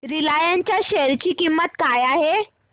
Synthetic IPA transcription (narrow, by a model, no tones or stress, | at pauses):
ɾilajaɲt͡ɕjaɕeɾt͡ɕiːkimːət̪kajaɦe